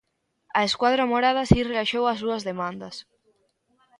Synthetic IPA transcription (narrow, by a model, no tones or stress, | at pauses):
aeskwaðɾamoɾað̞asirelaʃowasuazðemãnd̪as